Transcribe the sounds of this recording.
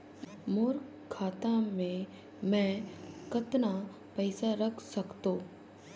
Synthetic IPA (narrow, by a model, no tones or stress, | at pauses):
moːɾ | kʰːaːt̪amẽ | mɛ̃kɐt̪na | pɛɪsaɾɐkʰsɐkt̪oː